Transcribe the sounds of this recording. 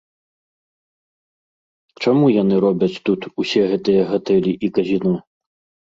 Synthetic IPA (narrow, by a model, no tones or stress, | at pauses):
t͡ʂamujanɨɾɔbʲɐt͡sʲt̪ut̪usʲɛɣɛt̪ɨjɐɣat̪ɛlʲiʔikɐzʲinɔ